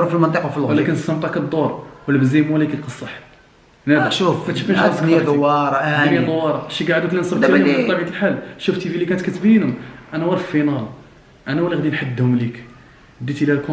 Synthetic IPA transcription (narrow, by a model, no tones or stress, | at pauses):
filmənt̪ˤəqwfilɣwlækənst̪ːəmt̪ˤɑkəd̪ˤːoɾˤwəlːæbəzimælikilqəsˤːɑħ | nææʃufmæt̪ʃfinʃɑəkd̪wɑɾˤɑʔdijæd̪ˤwːɑɾˤɑʃiɡaʕd̪uklinsˤəbt̪mːˤɑbjt̪əlħalːʃuft̪ifilikænət̪kæt̪binʊmʔænæwɑɾˤffinɑl | ʔænæwælːiɣd̪inħad̪ːhʊmlik | d̪ːit̪ilælku